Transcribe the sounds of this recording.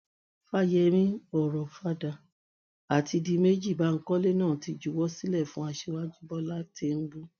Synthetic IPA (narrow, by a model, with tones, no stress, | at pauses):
fa˦jɛ˧mĩ˦ɔ˦˨ɾɔ˨fa˦da˧ | a˨ti˧di˧me˦d͡ʒi˦˨ba˨˦ŋ̩˦kɔ˦le˦nãː˦˨ti˧d͡ʒu˧wɔ˦si˦lɛ˦˨fũ˦a˧ʃe˧wa˦d͡ʒu˦bɔ˦la˦te˧m̩˦bu˦